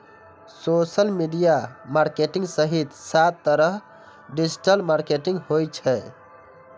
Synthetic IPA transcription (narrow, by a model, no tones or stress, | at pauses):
sosəlmiɖijamaɾkeʈĩŋɡsəɦit̪sat̪ːəɾəɦ | ɖid͡ʒʈəlmaɾkeʈĩŋɡhojt͡ʃʰɛ